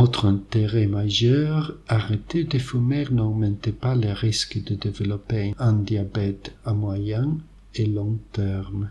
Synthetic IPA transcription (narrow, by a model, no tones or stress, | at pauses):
ot̪χɛ̃nt̪eʁemaʒœʁaʁet̪ed̪efymɛʁnɔɡmɑ̃nt̪epaleʁiskəd̪əd̪evəlɔpẽãnd̪jabɛt̪amwajɛ̃ŋ | elɔ̃ŋt̪ɛʁm